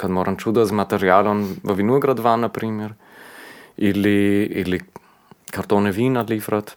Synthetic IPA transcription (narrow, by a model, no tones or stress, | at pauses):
kad̪mɔɾʔant͡ʃud̪azmat̪ɛɾjalɔnvavinuəɡɾad̪vanːapɾimɛɾ | iliili | kʰaɾt̪ɔnɛvinalifɾat̪